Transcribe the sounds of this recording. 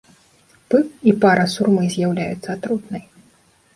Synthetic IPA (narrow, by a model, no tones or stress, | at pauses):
pɨkipaɾɐsurmɨzʲjawlʲaj̰t̪sːɐat̪ɾut̪nɐj